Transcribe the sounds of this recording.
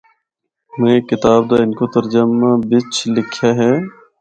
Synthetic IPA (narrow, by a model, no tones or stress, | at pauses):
mẽːkɪt̪aːb̚d̪aːɪnkoːt̪əɾd͡ʒəmãbɪt͡ʃʰlɪkʰjaːɦɛː